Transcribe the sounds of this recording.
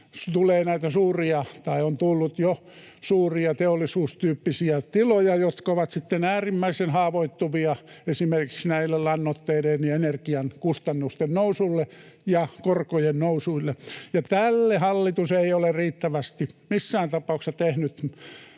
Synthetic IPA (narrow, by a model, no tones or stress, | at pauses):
st̪uleːnæit̪æsuːriɑt̪ɑiont̪ulːut̪jo | suːriɑt̪eolːisuːst̪yːpːisiæt̪ilojɑjot̪koʋɑt̪sit̪ːenæːrimːæisenhɑːʋoit̪ːuʋiɑesimerkiksnæilːellɑnːot̪ːeilenienerkiɑnkust̪ɑnːust̪ennousulːe | jɑkorkojennousuilːejɑt̪ælːehɑlːit̪useioleriːt̪ːæʋæst̪imisːæːnt̪ɑpɑuksɑt̪ehnyt̪